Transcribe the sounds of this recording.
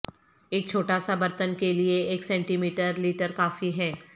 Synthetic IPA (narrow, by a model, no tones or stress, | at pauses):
eːk̚t͡ʃʰoːʈaːsabɐɾt̪ənkelieeːksɛ̃ːɳʈimiːʈəɾliːʈəɾkaːfiɦɛː